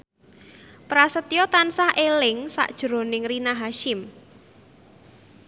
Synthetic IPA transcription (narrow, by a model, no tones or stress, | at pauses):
pɾasət̪ijɔt̪ansahʔelɪŋsa̰ʔd̥ʒ̥ɾo̤nɪŋrinaɦaʃɪm